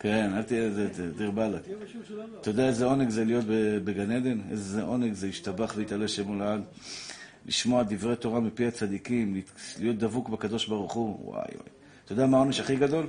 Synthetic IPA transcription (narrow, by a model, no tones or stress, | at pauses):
ke̞nalt̪izetd̪iʁbala | t̪od̪aezeo̞neɡzelijo̞t̪bebeɡaned̪e̞nḛzzeʔo̞neɡzeiʃt̪abaχveit̪aleʃemulad | lḭʃmo̞ad̪ivʁe̞t̪o̞ʁamipiat͡sad̪ikimllijo̞t̚d̪avukbakad̪o̞ʃbaʁuχuwa̰jwa̰j | t̪od̪amaomiʃaχiɡad̪o̞l